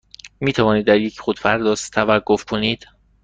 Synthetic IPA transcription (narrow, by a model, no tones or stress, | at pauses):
miːt̪ʰævɒːniːd̪ːæɾjecʰχod̪̥fæɾd̪ɒːst̪ʰævæɡːofkʰoniːd̪̥